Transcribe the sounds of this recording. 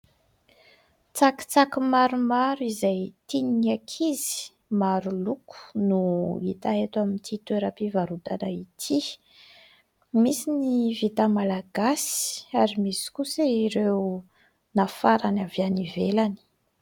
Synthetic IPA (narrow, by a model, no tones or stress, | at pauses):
t͡saki̥t͡sakimaɾumaɾuizajt̪iniiakʰizi̥ | maɾuluku̥nuḭt̪aɦet̪wamint̪ʰit̪weɾapivaɾut̪anait̪ʰi | misinivit̪amalaɡasi̥aɾimisi̥kuseiɾew | nafaɾanavjanivelani̥